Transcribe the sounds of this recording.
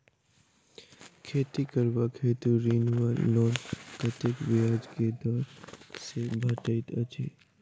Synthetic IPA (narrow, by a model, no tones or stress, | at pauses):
kʰeːt̪ikəɾbakʰeːt̪uɾiːnʋaɾnɔːnkət̪ekʋɪjaːd͡ʒked̪ɔːɾsebʱɐʈəɪt̪ət͡ʃeː